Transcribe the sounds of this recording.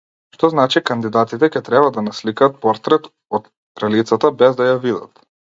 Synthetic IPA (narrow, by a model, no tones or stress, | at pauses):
ʃt̪ɔznat͡ʃikand̪id̪at̪it̪ɛcɛt̪ɾɛbad̪anaslikaːt̪̚pɔɾt̪ɾɛt̪ | ɔt̪ | t̪ɾɛlit̪sat̪abɛzd̪ajavid̪a̰t̪